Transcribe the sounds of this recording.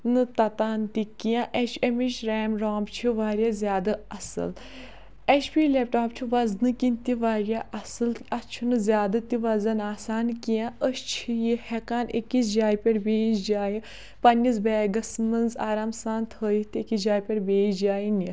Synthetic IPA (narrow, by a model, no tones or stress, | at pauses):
nɨt̪ɐt̪aːnt̪ikijãʔeʃemiʃɾɛːmɾoːmbt͡ʃʰiʋaːɾʲijaːzʲjaːd̪ɐɐsɨ̰l | eʃpʲiːlep̚ʈaːpt͡ʃʰiʋɐznɨkint̪iʋaːɾjaːʔɐsɨlɐt͡ʃʰinɨzʲjaːd̪ɨt̪iʋɐzɐnaːsaːnkijãəʃt͡ʃʰijihɛkaːnḛkisd͡ʒaːjpʲeɾbeːt͡ʃd͡ʒaːji | pɐnʲːis̬bɛːɡɐsmɐnzaːɾaːmsaːnt̪ʰəːjit̪iekid͡ʒaːjpʲɐɾbeːt͡ʃd͡ʒaːjini